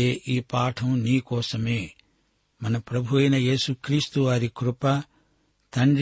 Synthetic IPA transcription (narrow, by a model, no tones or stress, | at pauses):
eːʔiːpaːʈʰɐmniːkɔːsɐmeː | mɐnɐpɾɐbʱuʋɐjnɐje̞ːsukɾiːst̪uʋaːɾikɾʊpɐ | t̪ɐɳɖ